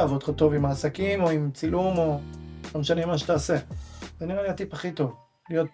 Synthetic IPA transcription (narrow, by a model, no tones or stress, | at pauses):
avod̪χat̪o̞vimaːsakimo̞imt͡silumo̞lomeʃanemaʃ̬et̪aːsezeniʁeliat̪ipaχit̪o̞v | lijo̞t̚